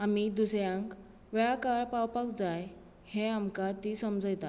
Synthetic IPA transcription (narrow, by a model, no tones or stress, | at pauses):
amid̪usɾjãŋk | ʋɭakaɾpawpakd͡zaj | heamkat̪iːsəmd͡zəjt̪a